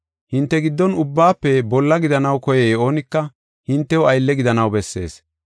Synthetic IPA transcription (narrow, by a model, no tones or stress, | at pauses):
hɪnt̪ːɛɡɪd̪ːɔnʊbːaːpːɛbɔlːɐɡɪd̪ɐnɐwkɔjɛjoːnɪkːɐ | hɪnt̪ːɛwɐjlːɛɡɪd̪ɐnɐwbɛsːe̞̰ːs